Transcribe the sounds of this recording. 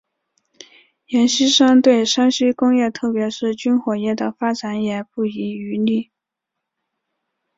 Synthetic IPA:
jɛ˧˥nɕi˥ʂɤ˥ŋt̪we˥˩ɪʂa˥nɕy˥kʊ˥ŋjɛ˥˧t̪ʰɤ˥˩pjɛ˧˥ʂɻ̩˥˩t͡ɕy˥nxwɔ˨˩jɛ˥˩d̪ə˩fa˥ʈ͡ʂa˧˥njɛ˨˩pu˥˩i˧˥y˧˥ly˥˩

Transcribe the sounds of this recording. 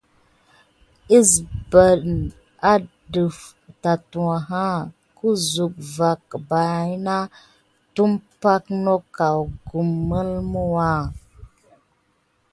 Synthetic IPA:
i˦sbə˨ɗn | a˦ | də˨f | ta˨tu˨wa˨ɦa˦ | ku˦zu˨k̚va˨kba˨˦na˦ | tu˦mpa˦kno˦ka˨wɡu˨mːə˦lmu˦wa˦˨

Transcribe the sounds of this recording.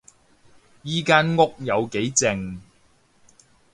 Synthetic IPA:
jiː˨˧kaː˥nŋʊ˥k̚jɐ˨˧wke˨˥jt͡sɪ˨ŋ

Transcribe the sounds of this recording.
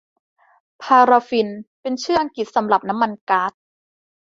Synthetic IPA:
pʰaː˧ɾa˧fi˧npe˧nt͡ɕʰɯː˥˩ʔa˧ŋki˨˩t̪̚sa˩˨˦mɾa˨˩p̚na˦˥mːa˧nkaː˦˥t̪̚

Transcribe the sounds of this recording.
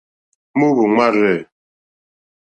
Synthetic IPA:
mu˦bu˨ŋa˦ɾɛ˦˨

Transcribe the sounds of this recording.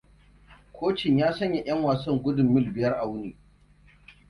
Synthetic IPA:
kʷʰoː˦t͡ʃɪ˨ɲjaː˦sɐ˦ɲja˨j̰ɐ˦ŋwaː˨sɐ˦ŋɡʷʊ˦dʊ˨mːɪ˦lbɪ˨jɐ˦rʔa˨wʊ˦niː˨

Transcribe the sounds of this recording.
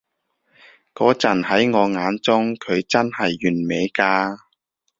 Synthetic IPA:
kɔː˨˥t͡sɐ˨˩nhɐ˨˥jŋɔː˨˧ŋaː˨˧nt͡sʊ˥ŋkʰɵ˨˧ɥt͡sɐ˥nhɐ˨jːyː˨˩nme˨˧jkaː˧

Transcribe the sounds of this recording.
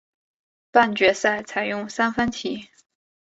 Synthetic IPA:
pa˥˩nt͡ɕɥɛ˧˥sa˥˩ɪt͡sʰa˧˥ɪjʊ˥˩ŋsa˥nfə˥ntʰi˧˥˦

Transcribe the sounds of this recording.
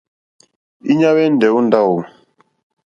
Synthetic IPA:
i˦ɲa˦wɛ˦n˨dɛ˨u˦n˦da˦˨wu˨

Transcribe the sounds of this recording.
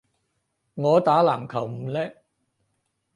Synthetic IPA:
ŋɔː˨˧t̪aː˨˥laː˨˩mkʰɐ˨˩wm̩˨˩lɛː˥

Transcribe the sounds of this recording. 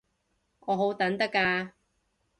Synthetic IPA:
ʔɔː˨˧ɦo˨˥wt̪ɐ˨˥nt̪ɐ˥kːaː˧

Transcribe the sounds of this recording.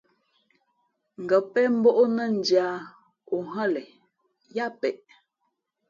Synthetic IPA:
ŋ̩˨ɡə˨pɛ˦m̩˦bɔ˦ʔo˦nə˦˨n̩˨dja˨˦ | o˨ɦə˦lɛ˨ | ja˦pɛ˨ʔ

